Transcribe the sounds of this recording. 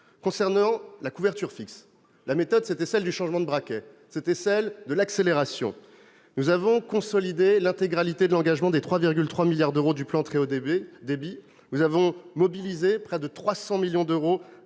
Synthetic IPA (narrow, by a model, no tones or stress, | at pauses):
kɔ̃sɛʁnɑ̃lakuvɛʁt̪yʁfiks | lamet̪ɔd̪set̪ɛsɛld̪yʃɑ̃ʒmɑ̃d̪əbʁakʲɛ | set̪ɛsɛld̪əlakseleʁasjɔ̰̃ | nuzavɔ̃kɔ̃sɔlid̪elɛ̃t̪eɡʁalit̪ed̪əlɑ̃ɡaʒmɑ̃d̪et̪χwaviʁɡʲylt̪χwamiljaʁd̪øʁod̪yplɑ̃t̪χeod̪ebi | nuzavɔ̃mɔbilizepχɛd̪ət̪χwasɑ̃miljɔ̃d̪øʁo